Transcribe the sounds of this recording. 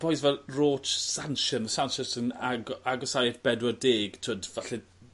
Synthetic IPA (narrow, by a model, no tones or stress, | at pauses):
b̥ɔjsvɛlroːtsanʃənəsanʃənsənaɡaɡɔsajɛθb̥ɛdwɔdeːɡ̥tʰoːdvaɬɛ